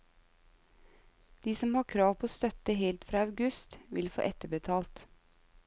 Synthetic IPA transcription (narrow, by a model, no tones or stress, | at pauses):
d̪̥iːsɔmhɑːkʰɾɑːʋpʰoːst̪œt̪əheːlt̪fɾɑːɑʉɡʉst̪ʋɪ̰lfo̰ːʔɛt̪əbət̪ʰɑːlt̪